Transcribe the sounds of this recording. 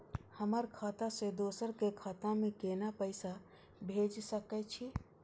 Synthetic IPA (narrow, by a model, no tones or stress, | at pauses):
həməɾkʰat̪ased̪oːsəɾkekʰat̪amẽkenapəɪsa | bʱeːd͡ʒsəkɛt͡ʃʰi